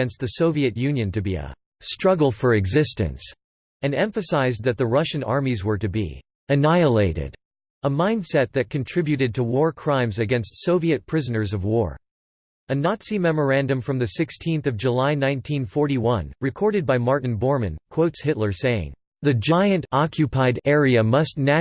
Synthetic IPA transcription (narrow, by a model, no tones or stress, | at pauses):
ɛ̃nst̪̚ðɨsoʊviɨtjʉ̃njɨ̃ntɨbiə̰ | stɹ̥ʌɡl̩ˠfə˞ɨɡzɪstɨ̰̃ns | ɨ̃nɛ̃ɱfɨsaɪzðɨt̪̚ðɨɹʌʃɨ̃nɑ̰ɹmizwə˞ɾɨbḭ | ɨnaɪəleɪɾɪ̰ɾ | əmãɪ̃nd̥sɛt̪̚ðɨt̚kʰɨ̃ntʰɹ̥ɪbjʉɾɨd̚tʰəwɔɹkʰɹ̥ãɪ̃mzɨɡɛ̃nstsoʊviɨt̚pʰɹ̥ɪzɨnə˞zʌvwɔɹ | ɨnɑtsimɛmə˞æ̃ndɨ̃ɱfɹʌ̃mðɨsɪkstʰĩnθʌvd͡ʒəlaɪnãɪ̃ntʰĩnfɔɹɾiwʌ̃nɹɨkʰɔɹɾɨd̚baɪmɑɹʔn̩bɔɹmɨ̰̃nkʰw̥oʊtshɪtˡlə˞seɪɪ̰̃ŋ | ðɨd͡ʒaɪɨ̃ntɑkʰjɨpʰaɪɾɛɹiɨmʌstⁿnæ